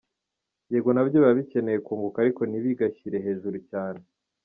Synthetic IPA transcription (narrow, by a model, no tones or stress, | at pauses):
eːɡo̞naβɟoβaβice̞ne̞jekuːŋɡukaɾiko̞niβiɡaçiɾe̞ɦe̞ːʒuɾucaːne̞